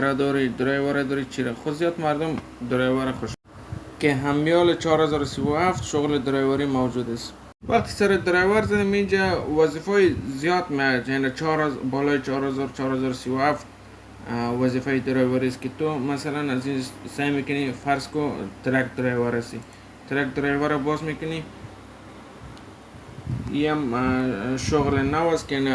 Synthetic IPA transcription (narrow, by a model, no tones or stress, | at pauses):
ɾad̪ɔɾid̪ʊɾɔjwaɾad̪ɔɾit͡ʃʰiɾaxʊzijɔt̪maɾd̪ʊm | d̪ʊɾɔjwaɾaxʊʃ | keɦamijɔlɪt͡ʃɔɾhazɔɾsiwʊaft̪ʃʊɣlɪd̪ɪɾɔjwaɾimawd͡ʒud̪as | waq̚t̪ʰɪ̥saɾɪd̪ɪɾajwaɾzad̪ɪmind͡ʒawazifɔjzijɔt̪met͡ʃanat͡ʃɔɾbɔlɔjt͡ʃɔɾhazɔɾt͡ʃɔɾhazɔɾsiwʊhaft̪ | wazifajd̪ɪɾɔjwaɾiskɪt̪ʊmasalanazind͡ʒsajmekʊnifaɾskʊt̪ɪɾakd̪ɪɾajwaɾasi | t̪ɪɾak̚d̪ɪɾajvaɾabɔzmekʊni | iam | ʃʊɣlɪnawaskɪani